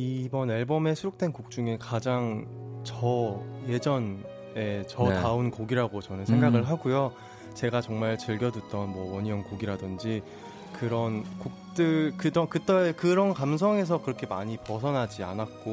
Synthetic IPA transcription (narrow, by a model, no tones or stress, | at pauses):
ibʌneɭbʌme̞sʰuɾuk̚t͈we̞nkuk̚t͡ɕ͈uŋekad͡ʑaŋ | t͡ɕʌje̞d͡ʑʌn | e̞t͡ɕʌtaunkoɡiɾaɡot͡ɕʌnɯnsʰe̞ŋɡaɡɯɭɦaɡujo | t͡ɕe̞ɡat͡ɕʌŋmaɭt͡ɕɯɭɡjʌdut͈ʌnmwʌwʌɲiʌŋkoɡiɾadɯnd͡ʑi | kɯɾʌnkuk̚t͈ɯkɯd͡ʑʌkɯt͈ekɯɾʌnkams̬ʰʌŋe̞s̬ʰʌkɯɾʌkʰe̞maɲipʌsʰʌnɦad͡ʑia̰nat̚k͈o